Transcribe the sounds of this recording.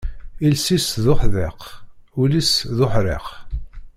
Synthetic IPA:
ilsisðʊħðequlisðʊħɾḛq

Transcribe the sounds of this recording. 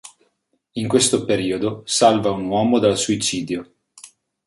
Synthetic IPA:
iŋkwest̪opeɾiːod̪osalvaunwɔːmod̪alsuit͡ʃiːd̪jo

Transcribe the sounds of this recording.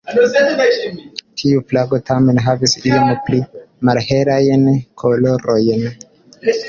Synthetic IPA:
tʰiuflaɡo̞tame̞nɦavisiomplimalheɾajnkʰo̞lo̞ɾo̞jn

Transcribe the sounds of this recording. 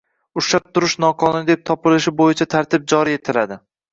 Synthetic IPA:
ʊʃap̚t̪ʰʊɾɪʃnɒqʰɒnʊnɪd̪ep̚t̪ʰɒpɪlɪʃɪbojɪt͡ʃʰat̪ʰaɾt̪ʰɪp̚d͡ʒɒɾie̞t̪ʰɪlad̪ɪ

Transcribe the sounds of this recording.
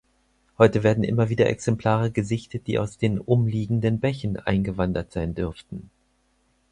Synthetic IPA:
hɔʏtəveːɐdn̩ʔɪ̰mɐviːdɐʔɛ̰ksɛmpl̥aːʁ̞əɡəzɪçtət̚d̥ḭːʔa̰ʊsd̥eːnʔʊmliːɡŋ̩dənbɛçən̩ʔa̰ɪnɡəvandɐtz̥aɪndʏɐftn̩

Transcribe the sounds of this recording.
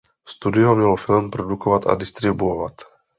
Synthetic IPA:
st̪udɪɔmɲɛlɔfilmpɾɔdukɔvat̪a̰dist̪ɾibuɔvat̪

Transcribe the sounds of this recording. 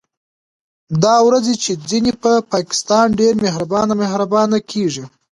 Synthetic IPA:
d̪ɑwɾad͡zet͡ʃed͡zinepəpɑkɪ̥st̪ɑnɖeɾmehɾabɑnamehɾabɑnakʰeʐi

